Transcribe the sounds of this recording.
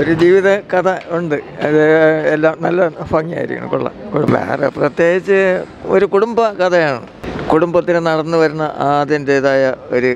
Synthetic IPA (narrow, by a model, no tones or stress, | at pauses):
o̞ɾud͡ʑiːʋiðɐkɐt̪ʰɐuɳɖɨɐðɨelːaːmnɐlːɐnfɐŋːija̰ːjiɾikʲːɐ̰ɳɐ̰koɭːɐ̰kuɽṵmbḛrḛprɐt̪je̞ːɡit͡ɕːɨ | o̞ɾukuɽumbɐkɐt̪ʰɐjaːɳɨ̰ | kuɽumbɐt̪ːinɨnɐɽɐnːɨʋɐɾunːɐʔaːðjindeðaːjɐo̞ɾu